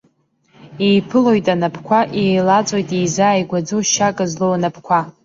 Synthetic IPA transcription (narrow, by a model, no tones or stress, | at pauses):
ejpʰɨlo̞jtʼanapʰkʷʰaʔejlat͡sʷʼojtʼejzaːjɡʷad͡zowʃakʼazlowanapʰkʷʰa